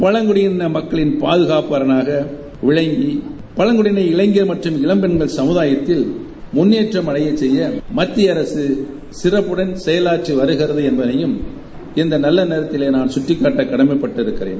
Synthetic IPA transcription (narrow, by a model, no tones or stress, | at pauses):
pɐɭɐŋɡɯɽɪjɪnɐmɐkːɐɭɪnpaːðɯɣaːpɐɾɐnaːɣɐ | ʋɪɻɐŋɡi | pɐlɐŋɡɯɽɪnɐɪɪɭɐŋɡɪɐɾmɐʈrɯmɪɭɐmbɛnɡɐɭsɐmɯðaːjɐt̪ːɪl | mʊnːeːʈrɐmɐɽɐjɐt͡ʃːɛjːɐmɐt̪ːɪjɐɾɐsɯ | sɪrɐpːɯɽɐnsɛjɐlaːʈriʋɐɾɯɣɪɾɐðɯɛnbɐnɐjɯm | ɪnd̪ɐnɐlːɐneːɾɐt̪ːɪleːnaːnsʊʈrɪkːaːʈːɐkːɐɽɐmɐɪpːɐʈːɪɾɯkːɪɾḛːn